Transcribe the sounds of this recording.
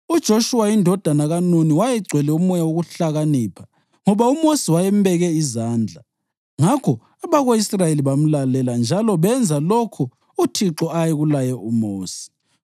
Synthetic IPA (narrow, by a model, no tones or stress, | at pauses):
ud̥ʒ̥ʱoʃuwaindʱɔd̥ʱanaɣanuniwajɛɡ͡ǀʱwɛlɛumɔjawoɣuɬaɣaniːpʰḁ | ŋɔβaumosiwajɛmbɛɣɛizaːnd͡ɮʱa | ŋakʰɔ | aβaɣoisrajeliβam̩lalɛland͡ʒʱalɔβɛnd͡zʱalokʰu | utʰiǁɔajɛɣulajɛumoːsi̥